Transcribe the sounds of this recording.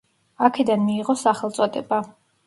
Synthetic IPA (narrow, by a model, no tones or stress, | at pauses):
akʰɛd̪anmiːʁɔsaχɛlˠt̪sʼɔd̪ʼɛba